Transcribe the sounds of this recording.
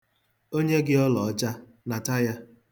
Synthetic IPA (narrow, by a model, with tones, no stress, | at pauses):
o˦ɲe˦ɡɪ˦ɔ˦lɔ˨ɔ˦d͡ʒa˦ | na˨ta˦ja˦